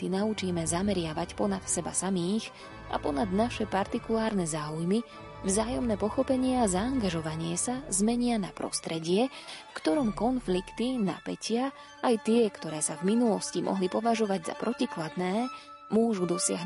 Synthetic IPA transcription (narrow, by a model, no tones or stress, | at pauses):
t̪inaut͡ʃiːmɛzamɛɾɪaʋacpɔnat̪sɛba̰samiːx | ʔa̰pɔnad̪naʃɛpaɾt̪ikulaːɾnɛzaːujmi | vzaːjɔmnɛːpɔxɔpɛɲɪɛazaːŋɡaʒɔʋaɲɪɛsazmɛɲɪanapɾɔ̰st̪ɾɛɟɪɛfkt̪ɔɾɔmkɔnflikt̪ina̰pɛcɪa | ʔːjt̪ɪɛkt̪ɔɾɛːsavminulɔscimʔɔ̰ɦlipɔʋaʒɔʋaɟza̰pɾɔciklad̪nɛː | mʊɔʒud̪ɔsɪaɦ